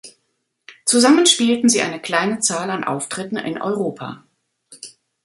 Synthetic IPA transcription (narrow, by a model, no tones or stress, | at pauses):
t͡suzamənʃpiːltn̩ziːʔa̰ɪnəkl̥aɪnət͡saːlanʔa̰ʊftʁ̥ɪtn̩ʔɪ̰nʔɔ̰ʏʁ̞oːpʰa̰ː